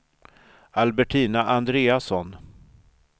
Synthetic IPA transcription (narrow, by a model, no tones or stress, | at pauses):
albɛʈʰiːnaʔand̪ɾeːasɔn